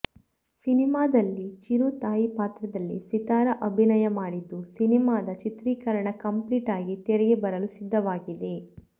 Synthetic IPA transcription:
sinimaːd̪ɐlːit͡ʃiɾut̪aːjipaːt̪ɾɐd̪ɐlːḭsit̪aːɾɐʔɐbʱinɐjɐmaːɽid̪ːusinimaːd̪ɐt͡ʃit̪ɾiːkɐɾɐɳɐkɐmpliːʈaːɡit̪ɛɾɛɡebɐɾɐlusid̪ːɐʋaːɡid̪e

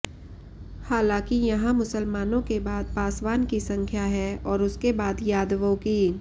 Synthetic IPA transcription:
haːlãːkijɐɦãmʊsəlmaːnõkebaːd̪̚paːsʋaːnkisɐ̃ŋkʰjaɦɛɔːɾʊskebaːd̪jaːd̪ʋõkiː

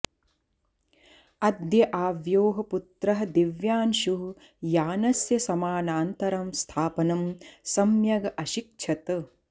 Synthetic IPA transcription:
ɐd̪jɐʔaːʋjoːɦɐput̪ɾɐɦɐd̪iʋjaːnʃuɦ | jaːnɐsjɐsɐmaːnaːnt̪ɐɾɐmst̪ʰaːpɐnɐmsɐmjɐɡɐʔɐʃik̚t͡ʃʰɐt̪

